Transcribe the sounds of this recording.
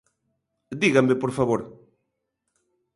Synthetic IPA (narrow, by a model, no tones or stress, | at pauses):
d̪iɣamepoɾfaβoɾ